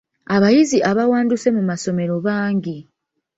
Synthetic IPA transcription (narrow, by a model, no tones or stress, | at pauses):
aβajiziʔaβawaːnduse̞mumaso̞me̞ɾo̞βaːŋɟi